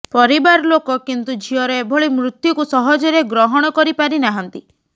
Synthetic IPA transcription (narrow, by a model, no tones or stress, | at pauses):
pɔɾibaɾɔlokɔkint̪ud͡ʒʱiɔɾebʱɔɭimɾut̪jukusɔɦɔd͡ʒɔɾeɡɾɔɦɔɽ̃ɔkɔɾipaɾinaɦɔnt̪i